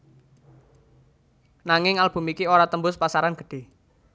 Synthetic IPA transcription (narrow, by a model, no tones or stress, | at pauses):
naŋɪŋalb̥ṳmikioɾat̪əmbʊspasaɾanɡ̥ə̤̥ɖ̥e̤